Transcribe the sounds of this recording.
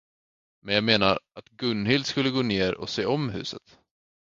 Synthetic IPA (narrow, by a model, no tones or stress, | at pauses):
mɛnjɑːɡmeːnaɾat̪ɡɵnːhɪld̪skɵlːəɡoːneːɾɔ̰seːɔmɦʉ̟ːsə̰t̪